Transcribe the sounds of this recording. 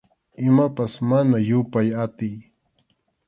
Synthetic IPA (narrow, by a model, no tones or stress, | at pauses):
ɪmapasmanajʊpajat̪ɪj